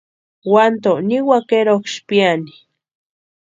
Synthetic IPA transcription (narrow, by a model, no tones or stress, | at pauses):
want̪oniwakeɾokʃpiani̥